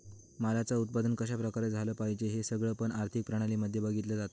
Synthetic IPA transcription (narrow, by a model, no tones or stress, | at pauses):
malat͡saut̪̚pad̪ənkəɕ̬apɾəkaɾed͡zʱaləːpaɦid͡ʑeɦesəɡɭəpəɳaɾt̪ʰik̚pɾaɽ̃aliːməd̪ʱjəbaɡʱit̪ləd͡zat̪o